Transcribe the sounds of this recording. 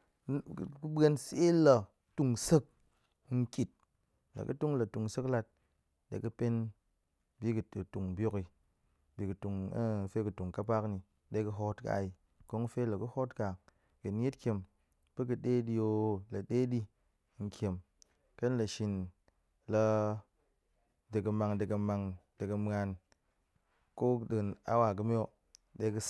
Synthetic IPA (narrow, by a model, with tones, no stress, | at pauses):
ku˦be˧nse˦lə˨ | tu˨ŋsɨ˦k̚ | ŋ̩˦kʲi˨t̚ | lə̰˨kɨ̰˦tu˦ŋlə˨tu˨ŋsɨ˦kla˧t̚ | ɗḛ˨˦kɨ˦pe˦n | bi˦kɨ˨ɨ˨tu˨ŋ˨bjo˧ki˨ | bi˨kɨ˨tu˨ŋ˦˨fe˦kɨ˨tu˨ŋka˦pa˦kni˨˦ | ɗe˧kɨ˧ɦo˦tka̰˨i˨ | ko˦ŋ˦fe˦lə˨kɨ˦ho˦tka˨ | ki˨n˦je˦tkʲe˨m | b̥ɨ˦kɨ˧ɗe˦ɗi˧jo˧lə˨ɗe˦ɗi˧˦ | ŋ̩˨kʲe˨m | kə˦n˦lə˨ʃi˨n | lə˧ | dɨ˨kɨ˧ma˧ŋdɨ˨kə˧ma˧ŋdɨ˨kə˧m˦a˧n | ko˦dɨ˨na̰˦wa˨k̬ɨ˧˦m˦o˦ | ɗe˦kɨ˦s